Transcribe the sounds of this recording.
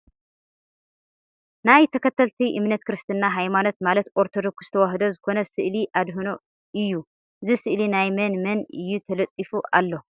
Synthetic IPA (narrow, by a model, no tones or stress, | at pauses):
najt̪ʰɐkʰɐt̪ʰːɐlt̪ʰiʔɨmnɐt̪kʰɨɾɨst̪ʰɨnːaɦajmanot̪malɐt̪ʔoɾt̪ʰo̞d̪o̞kst̪ʰɐwaɦd̪ozɨkʰo̞nɐsɨʔliʔad̪ɦuno | ɨjːu | ʔɨzisɨʔlinajmɐnmɐnɨjːut̪ʰɐlɐt̪ʼːifuʔa̰lːo